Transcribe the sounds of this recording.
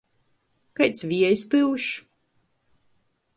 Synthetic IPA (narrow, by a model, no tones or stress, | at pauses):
kajt̪sʲvʲiɛjspɨwʃ